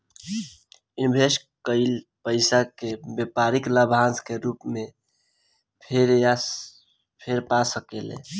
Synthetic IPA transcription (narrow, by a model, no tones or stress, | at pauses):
inbʱeʃ | kəɪlpəɪsakebepaɾiklabʱãnskeɾupmẽ | pʰeɾja | pʰeɾpasəkelḛ̃